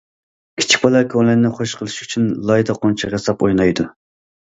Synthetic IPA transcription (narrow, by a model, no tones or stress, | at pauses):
kʲʰi̥t͡ʃʰi̥k̚ʲbɑlˠɑkʲʰoŋlɛnnɪχoʃqʰəlˠɨʃy̥t͡ʃʰynlˠɑjd̪ɑqʰont͡ʃʰɑʁesɑpojnɑjd̪u